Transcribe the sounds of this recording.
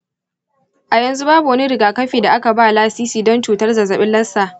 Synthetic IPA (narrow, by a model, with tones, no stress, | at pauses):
ʔa˨jɐ˨nzu˦baː˦bu˨wɐ˦ni˦ɾɪ˨ɡaː˨kɐ˦ɸiː˨da˨ʔa˦ka˨baː˦˨laː˦siː˦siː˨dɔ˦nt͡ʃuː˨tɐ˦rzɐ˨zɐ˨ɓɪ˦nlɐ˦sːaː˨ʔ